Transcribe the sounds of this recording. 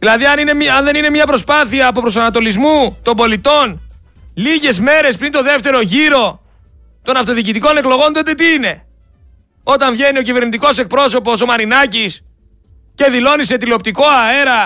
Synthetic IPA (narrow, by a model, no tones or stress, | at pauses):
ðilɐðiɐninemɐnðe̞nine̞mɲɐpɾo̞spɐθiɐːpo̞pɾo̞sɐnɐt̪o̞lizmut̪o̞mbo̞lit̪o̞n | liʝe̞zme̞ɾe̞spɾint̪o̞ðe̞ft̪e̞ɾo̞ʝiɾo̞ | t̪o̞nɐft̪o̞ðicit̪iko̞ne̞klo̞ɣo̞nt̪ot̪e̞t̪iine̞ | o̞t̪ɐɱvʝe̞nio̞cive̞ɾnit̪iko̞se̞k̚pɾo̞so̞po̞so̞mɐɾinɐcis | ce̞ðilo̞nise̞t̪ileop̚t̪iko̞ɐe̞ɾɐ